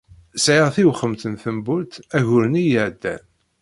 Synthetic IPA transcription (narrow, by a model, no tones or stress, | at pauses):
sʕiʁθiwχəmθənθəmbʊlt̪æʝʊɾnijəʕd̪ːæ̰n